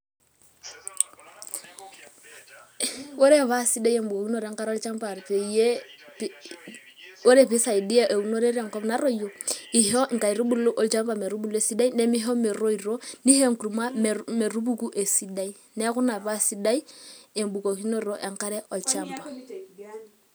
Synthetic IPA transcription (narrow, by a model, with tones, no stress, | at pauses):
wo˦ɾɛ˦˨βa˦si˦da˦i˦e˦˨m˦bu˨ko˨ki˦no˦˨ɾɛ˨˦ŋka˦ɾɔ˦lt͡ʃa˦mpa˨ɾpe˨je˦p | o˦ɾe˦˨pɪ˦sa˨i˨di˦ɛ˦ʔe˨u˨no˦ɾe˦ɾa˨ŋkɔ˦pna˦ɾɔ˦˨jo˨i˨ɦɔ˦ŋ̩˨ka˨i˨ɾu˦bu˦lo˦ʔɔ˨lt͡ʃa˦mba˨mɛ˨ɾu˦bu˦le˦˨si˦da˦i˦nɛ˦mi˦ɦɔ˦mɛ˨ɾo˦i˨ɾo˦ni˦he˦ŋ˨ku˨ɾu˨ma˦mmɛ˨ɾu˦bu˦ku˦ʔe˨si˦da˦i˦ | nɛ˦kʊ˦na˨βa˦si˦da˦i˦e˨mbu˨ko˨ki˦no˦ɾo˨ʔɛ˨ŋka˦ɾɛ˦ʔɔ˨lt͡ʃa˦mpa˨